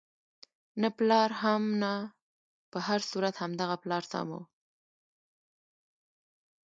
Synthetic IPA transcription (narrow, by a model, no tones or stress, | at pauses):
nəplɑɾɦamna | pəhaɾsuɾat̪hamd̪aɣaplɑɾt̪a̰mṵw